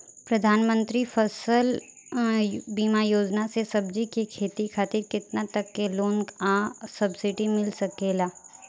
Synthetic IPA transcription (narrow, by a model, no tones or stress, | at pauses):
pɾɐd̪ʱaːnmə̃nt̪ɾifɐsəl | biːmajoːd͡ʒnasesɐbd͡ʒikikʰeːt̪ikʰaːt̪ɪɾkɪt̪nat̪ɐkːeloːnɡãsɐbsɪɖimɪlsɐkeːlaː